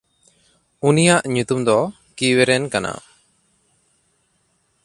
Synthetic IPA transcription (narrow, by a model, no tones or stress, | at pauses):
unijaʔɲut̪umd̪ɔ | kiwɛɾɛnkana̰